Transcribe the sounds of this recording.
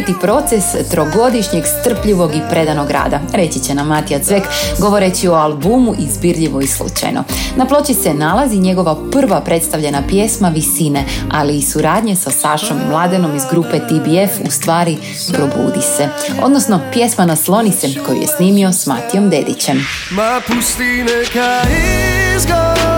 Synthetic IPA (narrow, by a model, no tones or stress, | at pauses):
t̪ipɾo̞t̪sest̪ɾo̞ɡo̞d̪iʃɲe̞ɡst̪r̩pʎiʋo̞ɡipɾe̞d̪ano̞ɡɾa̰ːd̪aɾe̞t͡ɕit͡ɕe̞namːat̪iat̪sʋekɡo̞ʋo̞ɾet͡ɕio̞alˠbumuʔizbiɾʎiʋo̞islˠṵt͡ɕa̰jno̰naplˠo̞t͡ɕise̞nalˠaziɲe̞ɡo̞ʋapr̩ʋapɾe̞t̪st̪aʋʎe̞napje̞smaʋisinealiːsuɾaːd̪ɲe̞sasaʃo̞mːlˠad̪eno̞mizɡɾupe̞t̪ibiefust̪ʋaːɾi | pɾo̞bṵːd̪iseo̞̰d̪no̞sno̞pje̞smanaslˠo̞nit̪seko̞jṵje̞̰sniːmio̞sma̰t̪ijo̞md̪e̞̰d̪it͡ɕe̞m | mapust̪inekaizɡo